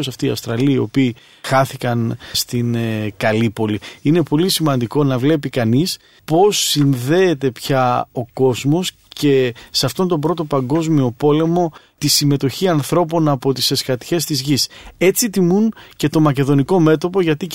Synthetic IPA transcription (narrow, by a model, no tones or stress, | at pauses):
osɐft̪iːɐ̰fst̪ɾɐliɐio̞̰piː | xɐθikɐnst̪inkɐlipo̞liine̞po̞lisimɐnd̪iko̞nɐvle̞pikɐnis | po̞sːinðe̞ːt̪e̞pçɐo̞ko̞zmo̞s | ce̞seɐft̪o̞nt̪o̞bɾo̞t̪o̞pɐŋɡo̞zmio̞po̞le̞mo̞ | t̪isime̞t̪o̞çiɐnθɾo̞po̞nɐpo̞t̪ise̞skɐt̪çe̞st̪izʝise̞t͡sit̪imunce̞t̪o̞mɐce̞ðo̞niko̞me̞t̪o̞po̞ʝɐt̪i